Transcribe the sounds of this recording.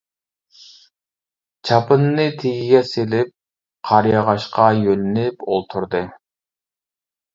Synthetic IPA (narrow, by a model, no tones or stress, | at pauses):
t͡ʃʰɑpɨnːɨt̪ʰeɡʲiɡʲɛselɪp̚ | qʰɑɾjɑʁɑʃqɑjølɪnɪpolˠt̪ʰuɾd̪ɨ